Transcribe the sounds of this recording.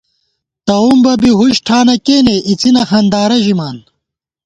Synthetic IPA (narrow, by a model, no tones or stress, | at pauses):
t̪ɐumbɐbiɦuɕʈʰaːnɐkeːneʔit͡sinɐxɐnd̪aːɾɐʑimaːn